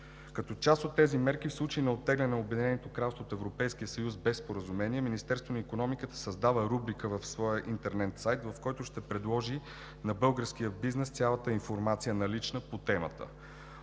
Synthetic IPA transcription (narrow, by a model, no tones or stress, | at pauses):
kɐt̪ɔt͡ʃast̪ot̪ːɛzimɛɾk̟ifslˠut͡ʃəinɛot̪ːɛɡlɛnɛnɛobɛd̪inɛnot̪okɾalˠst̪voːt̪ɛvɾopɛjskijəsɐjuzbɛspoɾəzumɛniɛminist̪ɛɾst̪vonɐikonɔmikət̪ə̥sɐzd̪avəɾubɾikəvəfsvɔjəʔint̪ɛɾnɛt̪sajt̪vɐfkɔjt̪ʊʃt̪ɛpɾɛd̪lˠɔʒi | nɐbɤlˠɡəɾsk̟ijəbiznɛst̪sʲjalˠət̪əinfoɾmat̪sijənɐlit͡ʃnəpot̪ɛmə̰t̪ə̰